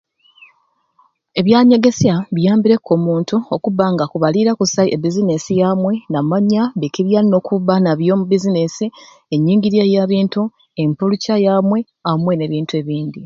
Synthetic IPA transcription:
e̞βjaːɲe̞ɡe̞sjaβijaːmbiɾe̞kʰːo̞ːmuːntuokuβaŋɡakuβaliɾakusaiʔebizinesijaːmwe̞namaɲːaβekiβjano̞kʰuβanaβjo̞ːmubizinesi | e̞ɲːiːŋɟiɾjejaβiːntu | e̞mpulucajaːmwe̞ | amwe̞ne̞ːβiːntue̞βiːnd̪i

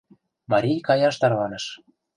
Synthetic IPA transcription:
mɑɾʲijkɑjɑʃt̪ɑɾlɑnɤ̆ʃ

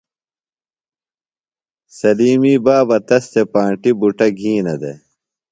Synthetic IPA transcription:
sɐliːmiːbaːbɐt̪ɐst̪epãːɳʈibuʈɐɡʱĩːnɐd̪ḛ

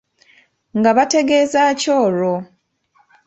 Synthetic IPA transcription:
ŋɡaβate̞ɡe̞ːzaːco̞ːɾo

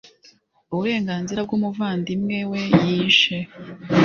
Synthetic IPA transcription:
uβuɾe̞ːŋɡaːnziɾab̚ɡumuvaːndimŋe̞we̞jiːʃe

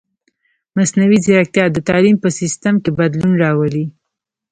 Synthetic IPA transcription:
masnawiziɾak̚t̪jɑd̪ət̪ɑlimpəsist̪amkebad̪lunɾɑwəli

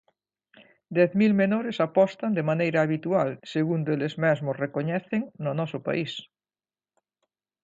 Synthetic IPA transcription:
d̪ɛθmilmenoɾesapɔst̪and̪emanejɾaːβit̪ualseɣund̪oelezmɛzmosrekoɲɛθeŋnonɔsopa̰is

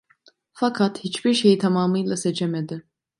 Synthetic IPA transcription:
fakʰat̪hit͡ʃbiɾʃe̞jit̪ʰamaːmɯjlˠaset͡ʃʰemed̪ɪ

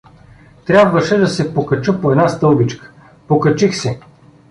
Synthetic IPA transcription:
t̪ɾʲabvəʃɛd̪ɐsɛpokɐt͡ʃəpoɛd̪nast̪ɤlˠbit͡ʃkə̥ | pokɐt͡ʃixsɛ

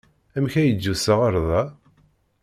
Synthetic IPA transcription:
æmçæjəd͡ʒːusəʁəɾˤðˤɑ

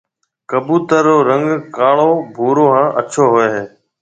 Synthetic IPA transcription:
kəbuːt̪əɾːoːɾəŋɡkaːɭoːbʱuːɾoːɦãːʔət͡ʃʰoːɦʊeːɦeː

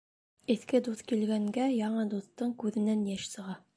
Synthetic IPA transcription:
ɘ̆θkɘd̪uθkilɡæŋɡæjɑɴɤd̪uθt̪ːɤɴkʉðɘ̆nænjæʃsɤ̆ʁɑ

